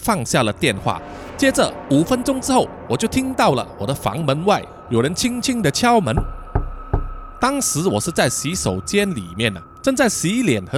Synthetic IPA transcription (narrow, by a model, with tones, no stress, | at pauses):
fɑ˥˧ŋɕja˥˩lə˩t̪jɛ˥˧nxwa̰˥˩ | t͡ɕjɛ˥ʈ͡ʂə̰˨˩u˨˩fə˥nʈ͡ʂʊ˥ŋʈ͡ʂɻ̩˥xo˥˩ʊwɔ˨˩t͡ɕjo˥˩ʊt̪ʰi˥ŋt̪ɑ˥˩ʊlə̰˩wɔ˨˩d̪ə˦fɑ̰˧˥ŋmə˧˥nwa˥˩ɪ | jo˨˩ʊɻə˧˦˥nt͡ɕʰi˥ŋt͡ɕʰi˥ŋd̪ə˨t͡ɕʰjɑ˥ʊmə˧˥˦n | t̪ɑ˥ŋʂɻ̩˧˥wɔ˨˩ʂɻ̩˥˧t͡sa˥˩ɪsi˧˥ʂo˨˩ʊt͡ɕjɛ˥nlḭ˨˩mjɛ˥˩nə˩ʈ͡ʂɤ˥˧ŋt͡sa˥˩ɪɕi˧˥ljɛ˨˩nxə˧˥